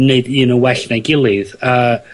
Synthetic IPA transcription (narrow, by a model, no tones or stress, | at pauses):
neɨdiːnəwɛɬnɛɡɪlˠɪðəː